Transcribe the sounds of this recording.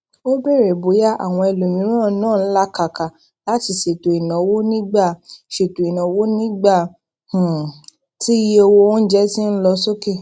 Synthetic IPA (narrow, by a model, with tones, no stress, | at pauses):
o˦be˦˨ɾe˨bo˨˦ja˦˨ʔa̰˨w̃ɔ̃˧ɛ˧lo˨mĩ˨˦ɾ̃ã˦˨˦nãː˦˨n̩˦la˦ka˨ka˨ | la˨˦ti˧ʃe˨to˨i˨nã˨˦wo˦nĩ˦ɡ͡ba˦˨ʃe˨to˨i˨nã˨˦wo˦nĩ˦ɡ͡ba˦˨ | h̩˨ | ti˦o˧wo˧õ˦n̩˦d͡ʒɛ˦ti˦n̩˦lɔ˧so˦ke˦˨